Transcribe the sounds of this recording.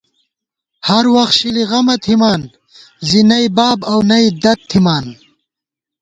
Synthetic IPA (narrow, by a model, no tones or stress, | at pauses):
hɐɾwɐxt̪ɕiliɣɐmɐt̪ʰimaːn | zinɐjbaːbɐwnɐid̪ɐt̪̚ʰimaːn